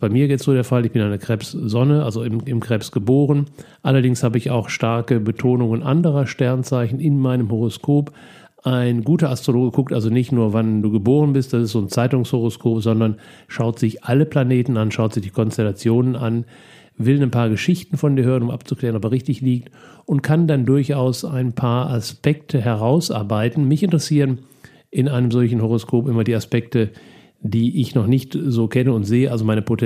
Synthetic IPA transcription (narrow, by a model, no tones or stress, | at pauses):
b̥aɪmiːɐjɛt͡stz̥oːɾeɐfalɪçb̥ɪnaɪnɛɐkʁ̥ɛpszɔnəʔalzoɪmɪmkʁ̥ɛːpsɡ̥əboːʁ̞ən | ʔalɐdɪŋshaːbəɪça̰ʊxʃtaɐkəbətʰoːnʊŋənʔa̰ndəʁ̞ɐʃtɛɐnt͡saɪçn̩ɪnmaɪnəmhoʁ̞oskʰoːp | ʔaɪnɡuːtɐastʁ̥oloːɡəkʰʊk̚tʔalzonɪçtnuːɐvanduːɡəboːʁ̞ənbɪst̚d̥asɪstz̥oːnt͡saɪtʊŋshoʁoskʰoːpz̥ɔndɐn | ʃaʊtz̥ɪçʔaləplaneːtn̩anʃaʊtz̥ɪçd̥iːkʰɔnstɛlat͡sjoːnənʔan | vɪlnaɪnpʰaːɐɡəʃɪçtn̩fɔndiːɐhøːʁ̞ənʊmʔa̰pt͡suklɛːʁənɔp̬ɛɐʁɪçtɪçliːk̚tʔʊnt̚kʰandandʊɐçʔaʊsaɪnpʰaːɐʔaspɛktʰəɦɛʁ̞aʊsʔa̰ɐbaɪtn̩mɪçɪntəʁəsiːʁ̞ən | ʔɪnʔaɪnəmzɔlçn̩hoʁ̞oskʰoːpʔɪmɐdiːaspɛk̚tə | diːʔɪçnɔχnɪçtzoːkʰɛnəʊntz̥eːəʔalzomaɪnəpʰot